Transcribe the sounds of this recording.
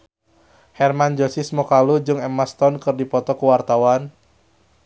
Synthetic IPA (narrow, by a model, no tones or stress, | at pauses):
hɛrmand͡ʒosismɔkalud͡ʒɨŋɛmast̪ɔnkɨrdipɔt̪ɔkəwart̪awan